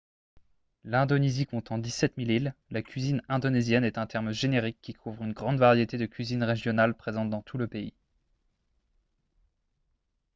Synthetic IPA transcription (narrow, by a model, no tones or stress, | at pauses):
lɛ̃d̪ɔnezikɔ̃t̪ɑ̃d̪isɛt̪milillakʲɥizinɛ̃d̪ɔnezjɛnɛt̪ɛ̃t̪ɛʁmʒeneʁikʲːikʰuvʁynɡʁɑ̃d̪vaʁjet̪ed̪əkʲɥizinʁeʒjɔnalpχezɑ̃t̪̚d̪ɑ̃t̪ʰuləpei